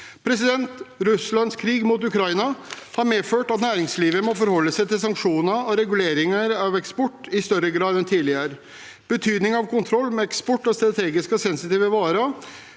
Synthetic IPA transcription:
pʰɾɛsɪd̪ɛnt̪ɾʉslɑnskʰɾiːɡmuːt̪̬ʉkʰɾɑɪnɑhɑɾmeːføːʈɑt̪næːɾɪŋsliːʋəmɔfɔɾhɔlːəsæɪt̪ɪlsɑŋkʂuːnəɔɾɛɡʉleːɾɪŋəɾɑʋɛkspɔʈːɪst̪œɾəɡɾɑːd̪ɛnt̪ʰiːlɪəɾ | b̥ət̪ʰyːd̪nɪŋɑʋkʊnt̪ʰɾɔlːmɛɛkspɔʈːɔst̪ɾɑt̪ʰeːɡɪskɔsɛnsɪt̪iːʋəʋɑːɾə

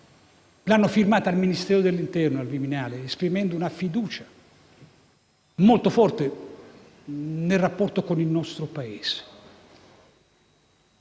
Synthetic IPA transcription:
lanːofirmaːt̪aːlminist̪ɛːɾod̪elːint̪ɛrnoalviminaːleːspɾimɛnd̪ounafid̪uːt͡ʃḁ | molt̪ofɔrt̪e | nelrapːɔrt̪okonilnɔst̪ɾopaeːz̥e̥

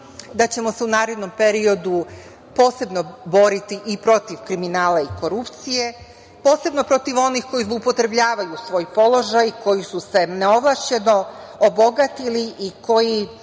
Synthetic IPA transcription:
d̪at͡ɕe̞mo̞se̞unaːɾe̞d̪no̞mpe̞ɾio̞d̪u | po̞ːse̞bno̞bo̞ɾit̪iʔipɾo̞t̪iʋkɾiminaːlaiko̞ɾupt̪sije̞ | po̞ːse̞bno̞pɾo̞t̪iʋo̞nixko̞jizlˠupo̞t̪ɾe̞bʎaːʋajusʋo̞ːjpo̞lo̞ʒajko̞jisuse̞neo̞ʋlˠaʃt͡ɕe̞no̞obo̞ɡat̪iliʔiko̞ji

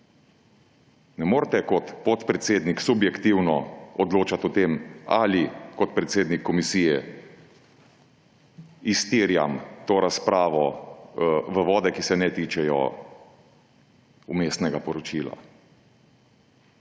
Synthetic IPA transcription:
nɛmoːɾt̪ɛkɔt̪pɔt̪pɾɛt̪seːd̪niksubjɛkt̪iwnɔɔd̪loːt͡ʃat̪ɔt̪eːmalikɔt̪pɾɛt̪seːd̪nikʰːɔmisiːjɛ | ist̪iːɾja̰mt̪oːɾaspɾaːʋɔ | ʋəʋɔːd̪ɛkisɛnɛt̪iːt͡ʃɛjɔ̰ | umeːst̪nɛɡapɔɾɔt͡ʃiːla̰

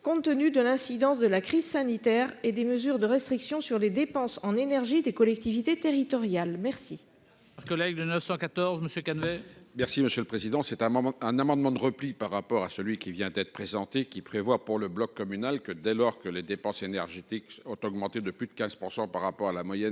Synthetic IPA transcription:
kɔ̃t̪ːənyd̪əlɛ̃sid̪ɑ̃sd̪əlakχizsanit̪ɛʁed̪eməzyʁd̪əʁɛst̪χiksjɔ̃syʁled̪epɑ̃sɑ̃nenɛʁʒid̪ekɔlɛk̚t̪ivit̪et̪eʁit̪ɔʁjalmɛʁsi | kɔlɛɡd̪ənəfsɑ̃kat̪ɔʁzməsjøkanvɛmɛʁsiməsjøləpχezid̪ɑ̃sɛt̪ɛ̃ɛ̃namɑ̃d̪mɑ̃d̪əʁəplipaʁːapɔʁasəlɥikʲivjɛ̃d̪ɛt̪χə̥pχezɑ̃t̪ekʲipχevwapuʁləblɔkːɔmynalkəd̪ɛlɔʁkəled̪epɑ̃senɛʁʒet̪ikɔ̃t̪ɔɡmɑ̃t̪ed̪əplyd̪əkʲɛ̃z̥puʁsɑ̃paʁːapɔʁalamwajɛ

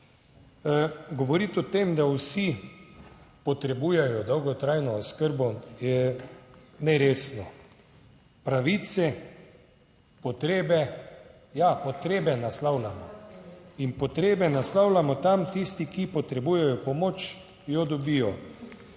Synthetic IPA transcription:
ɡɔʋɔɾit̪ɔt̪emd̪awsi | pɔt̪ɾɛbuːjɛjɔd̪ɔwɡɔt̪ɾajnɔːskəɾbɔjɛ | nɛɾeːsnɔ | pɾaʋiːt̪sɛ | pɔt̪ɾeːbɛ | japot̪ɾeːbɛnaslawlamɔ | inpɔt̪ɾeːbɛnaslawlamɔt̪amt̪ist̪ikipɔt̪ɾɛbuːjɛjɔpɔmoːt͡ʃ | jɔd̪ɔbijɔ

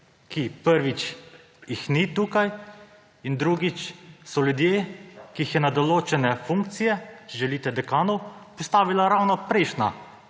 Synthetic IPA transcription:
kipəɾʋit͡ʃ | jixnit̪uːkaj | ind̪ɾuɡit͡ʃsɔljud̪jeːkiixjɛnad̪ɔloːt͡ʃɛnɛfuŋk̚t̪sijɛt͡ʃɛʒɛliːt̪ɛd̪ɛkaːnɔwpɔst̪aːʋilaɾawnɔpɾɛɪʃna̰

